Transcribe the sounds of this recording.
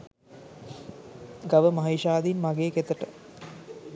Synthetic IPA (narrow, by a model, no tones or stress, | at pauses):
ɡaʋəmaɦeʃaːd̪inmaɡeːket̪əʈə